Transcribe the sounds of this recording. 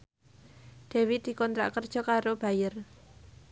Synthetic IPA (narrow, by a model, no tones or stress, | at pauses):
ɖ̪̥ɛ̤wid̪̥i̤kɔnt̪ɾa̰ʔkərd̥ʒ̥ɔ̤kaɾob̥ä̤jər